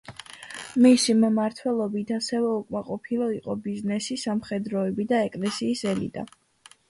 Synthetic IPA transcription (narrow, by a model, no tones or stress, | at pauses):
misimmaɾt̪ʰwɛlˠɔbit̪ʰasɛvɛukʼmaqʼɔpʰilˠɔiqʼɔbiznɛsisamχɛd̪ɾɔɛbid̪aɛkʼlɛsiːsɛlḭt̪ʼa̰